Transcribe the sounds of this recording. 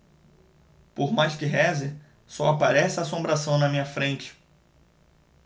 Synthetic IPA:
poɾmajskɪɦɛzɪ | sɔapaɾɛsaːsõbɾasɐ̃w̃nɐmĩɲɐfɾẽnt͡ʃɪ̥

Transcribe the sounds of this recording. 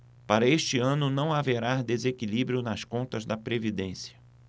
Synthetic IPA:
paɾɐeʃt͡ʃɪɐ̃nʊnɐ̃w̃aveɾad̪ezekilibɾijʊnɐskõnt̪ɐzd̪ɐpɾevid̪ẽsjɐ̥

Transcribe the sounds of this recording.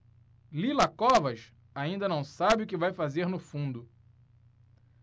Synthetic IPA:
lilɐkɔvɐʃ | aĩnd̪ɐnɐ̃w̃sabɪʊkɪvajfazeɾnʊfũnd̪ʊ

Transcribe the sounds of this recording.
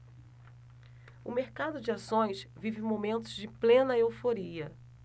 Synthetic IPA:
ʊmeɾkad̪ʊd͡ʒɪasõj̃svivɪ̃momẽnt̪ʊzd͡ʒɪplẽnɐewfoɾiɐ

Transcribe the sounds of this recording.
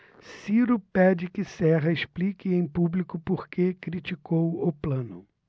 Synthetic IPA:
siɾʊpɛd͡ʒɪkɪsɛɦɐɪsplikɪẽj̃publikʊpoɾkekɾit͡ʃikowʊplɐ̃nʊ

